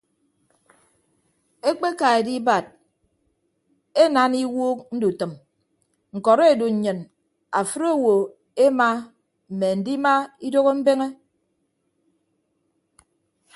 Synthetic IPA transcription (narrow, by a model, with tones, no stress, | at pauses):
e˦k͡pe˦ka˨e˨di˦ba˨d̚ | e˦na˦ni˦wuː˦k̚n̩˦du˨tɨ˨m | ŋ̩˨kɔ˨ɾe˦e˨du˨ɲ̩˨ɲɨ˨n | a˨fɨ˦ɾo˦˨wo˨ | e˦ma˦ | m̩˨me˨n̩˨di˦ma˦i˦do˦ɣo˦m̩˦be˦ŋe˦